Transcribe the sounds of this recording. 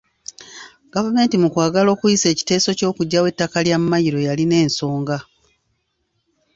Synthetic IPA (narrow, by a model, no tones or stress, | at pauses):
ɡ̥avume̞ːntimukwaːɡalo̞ːkujise̞ːci̥te̞ːso̞co̞ːkuɟːawe̞tːakaljammajiɾo̞jaline̞ːnso̞ːŋɡa